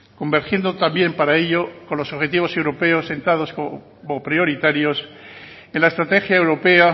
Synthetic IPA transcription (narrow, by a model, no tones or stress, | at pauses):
ko̞mbe̞ɾxje̞nd̪ot̪ambje̞mpaɾaeʎo̞ko̞nlo̞soβxe̞t̪iβ̞o̞se̞wɾo̞pe̞o̞se̞nt̪að̞o̞sko | mopɾjo̞ɾit̪aɾjo̞se̞nlaest̪ɾat̪e̞xjae̞wɾo̞pe̞a